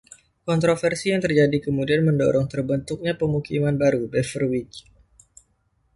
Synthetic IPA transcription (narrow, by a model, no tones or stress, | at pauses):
kɔnt̪ɾofɛrsijaŋt̪ərd͡ʒadikəmudianməndɔɾɔŋt̪ərbənt̪uk̚ɲapəmukimanbaɾubɛfərwit͡ʃ